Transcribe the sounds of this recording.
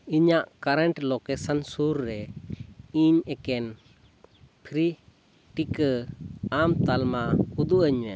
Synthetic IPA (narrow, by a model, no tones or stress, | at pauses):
iɲaʔkaɾɛɳʈlɔkɛsansuɾːɛ | iɲɛkɛn | pʰɾi | ʈikəamt̪almaud̪uʔəɲwɛ̰